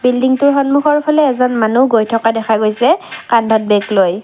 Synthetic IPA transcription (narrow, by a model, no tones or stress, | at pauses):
bildiŋtʊɹxɔnmuxɔɹpʰalɛːzɔnmanuɡojtʰɔkadɛkʰaɡojsɛkanbʱɔt̚bɛɡloj